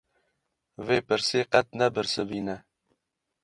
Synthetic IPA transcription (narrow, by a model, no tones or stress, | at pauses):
veːpɨɾseːqɛt̪̚nɛbɨɾsɨbiːnɛ